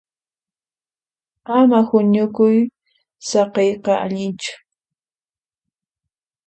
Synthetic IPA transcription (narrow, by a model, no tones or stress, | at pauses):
amahʊɲʊkʊj | sɑqejqɑʔa̰ʎɪnt͡ʃʊ̥